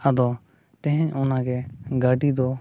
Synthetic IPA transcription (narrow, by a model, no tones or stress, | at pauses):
əd̪oː | t̪ẽɦɪ̃ɲʊnãːkʰeːɡaːʈiːd̪oː